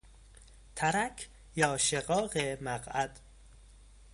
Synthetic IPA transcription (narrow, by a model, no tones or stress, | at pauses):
t̪ʰæɾækʰ | jɒːʃeɣɒːɣemæɢæd̪̥